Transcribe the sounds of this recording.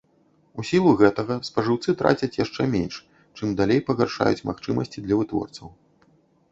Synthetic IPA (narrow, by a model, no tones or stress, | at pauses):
usʲilˠuɣɛt̪ɐɣɐspɐʐɨwt̪sɨt̪ɾa̰t͡sʲɐt͡sʲjaʂt͡ʂɛmʲenʲʂ | t͡ʂɨmd̪alʲejpɐɣarʂa̰jut͡sʲmaxt͡ʂɨmɐsʲt͡sʲid̪lʲɐvɨt̪vɔ̰rt̪sɐw